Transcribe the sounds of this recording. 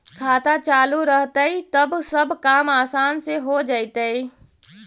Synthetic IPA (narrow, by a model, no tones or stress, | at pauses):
kʰaːt̪at͡ʃaːluɾəɦt̪əit̪əbsəbkaːmaːsaːnseɦod͡ʒaːit̪əi